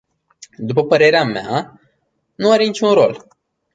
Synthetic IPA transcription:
d̪upəpəɾe̞ɾeamea̰ | nuaɾe̞nit͡ʃʲunɾo̞l

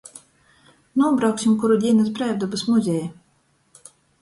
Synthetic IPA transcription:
nuɔbɾawksʲimkuɾud̪ʲiɛnas̬bɾæːvd̪ɔbɨsmuzʲɛjɛ

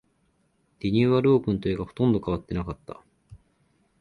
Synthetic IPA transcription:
d̪̥iɲ̟iːβaɾɯːkɯ̃nt̪o̞eɡaho̞̥t̪õ̞nd̪o̞kaβ̞at̪ːe̞nakat̪ːa̰

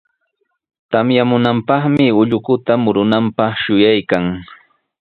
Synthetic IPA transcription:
t̪amjamʊnampɑχmɪʊʎʊkʊt̪amʊɾʊnampɑχʃʊjajkaŋ

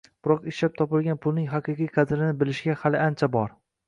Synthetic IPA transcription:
b̥ʊɾɒqɪʃlap̚t̪ʰɒpɪlɡʲanpʰʊlˠnɪŋɦɑqʰɨqijqʰɑd̪ɾɪnɪbɪlɪʃɡʲahalɪant͡ʃʰabɒɾ

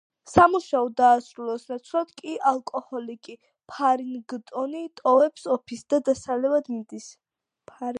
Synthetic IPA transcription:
samuʃaɔd̪aːsɾulˠɔsnat̪sʰlat̪kʼiʔalˠkʼɔhɔlikʼi | pʰaɾinɡt̪ʼɔnit̪ʼɔvɛpsɔpʰisd̪̥ad̪asalɛvad̪mid̪is | pʰ

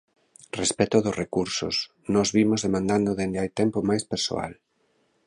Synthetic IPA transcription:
respɛt̪ʊðʊsrekuɾsʊ̰s | nɔzβimʊzðemãnd̪and̪ʊðend̪ɪajt̪ɛmpʊmajspeɾso̰a̰l

